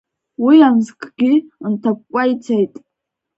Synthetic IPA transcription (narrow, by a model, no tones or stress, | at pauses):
wijanzkʰʼɡʲintʰap̚kʷʼajt͡sʰajtʼ